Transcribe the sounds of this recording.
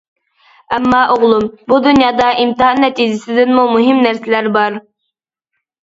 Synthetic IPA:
æmːɑːʔoʁlˠumbud̪unjɑːd̪ɑʔimt̪ɨɦɑnːɛt̪ʰid͡ʒɪsɪd̪ɪnmumuɦɪmnæɾsɪlæɾbɑɾ

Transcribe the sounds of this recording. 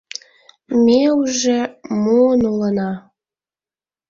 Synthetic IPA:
meuʒemuənulənɑ

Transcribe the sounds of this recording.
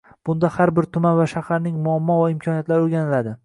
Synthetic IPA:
b̥ʊnd̪ahaɾbɪɾt̪ʰʊmanvaʃahaɾnɪŋmʊamːɒvaɪmkʰɒnijat̪laɾoɾɡʲanɪlad̪ɪ

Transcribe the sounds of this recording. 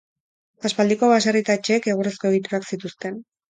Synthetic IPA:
aspald̪iko̞βasarit̪aet͡ʃe̞ːke̞ɣ̞uresko̞eɣ̞it̪uɾaksit̪ust̪e̞n

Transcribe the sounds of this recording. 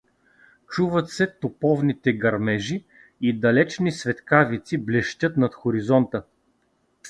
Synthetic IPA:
t͡ʃuvət̪sɛt̪opɔvnit̪ɛɡɐɾmɛʒi | id̪ɐlɛt͡ʃnisvɛt̪kavit̪siblɛʃt̪ʲɤt̪nɐt̪xoɾizɔnt̪ə

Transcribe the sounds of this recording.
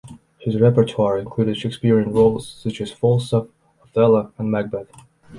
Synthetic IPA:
hɪzɹɛpə˞tʰwɑɹɪ̃nkʰl̥uɾɨd̥ʃekspɪɹiɨ̃nɹoʊlˠz̥sʌt͡ʃɨz̥fɔlˠsə | əθɛlˠəə̃nmæɡ̚bɛθ

